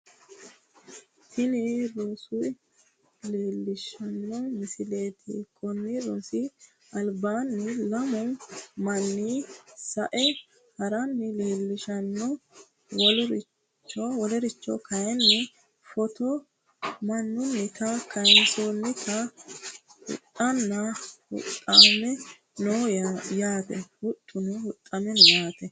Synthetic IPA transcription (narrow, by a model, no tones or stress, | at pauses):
t̪ɪnɪɾosʊ | le̞ːlːɪʃɐnːɔmɪsɪle̞ːt̪ʰɪkʼɔnːɪɾosɪ | ɐlbaːnːɪlɐmɔnmɐnːiːsɐʔɛ | hɐɾɐnːɪleːlːɪʃɐnːɔ | wɔlʊɾɪ | t͡ʃt͡ʃːɔwɔlɛɾɪt͡ʃːɔkɐjɛnːɪ | fɔt̪ɔ | mɐnːʊnːɪt̪ɐkɐjɛnsonːɪt̪ɐ | hʊ̰t̪ʼːɐnːɐhʊ̰t̪ʼːamɛ | noːjaːt̪ɛ̰hʊt̪ʼːʊnʊhʊt̪ʼːɐmɛnjaːt̪ɛ